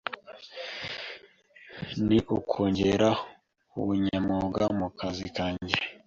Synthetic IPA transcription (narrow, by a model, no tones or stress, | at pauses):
niʔukʰoːɲɟeɾa | uβuɲamoɡamukazikaːɲɟe